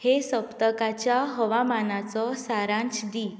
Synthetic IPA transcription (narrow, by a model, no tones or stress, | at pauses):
hesəpt̪əkat͡ɕjaɦəʋamanat͡sɔsaɾãɲt͡ɕɖi